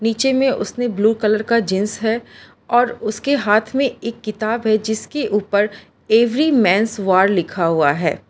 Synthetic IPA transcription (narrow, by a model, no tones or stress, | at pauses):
niːt͡ʃemẽʔʊ̰snebluːkɐləɾkad͡ʒɪ̃nsɦɛ | ɔːɾʊskeɦaːt̪ʰmẽeːkːɪt̪aːbɦɛd͡ʒɪskeʔuːpəɾ | eːʋɾimɛ̃ːnsʋaːɾlɪkʰaɦuaɦɛ̰ː